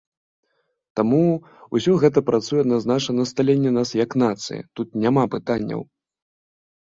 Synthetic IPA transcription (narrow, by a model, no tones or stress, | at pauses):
t̪amu | usʲɔɣɛt̪̬ɐpɾʔat̪sujɛɐd̪naznat͡ʂɐnɐst̪alʲenʲːɛnasjɐknat̪sɨ̰jɐ̰t̪ut̪̚nʲamapɨt̪anʲːɐ̰w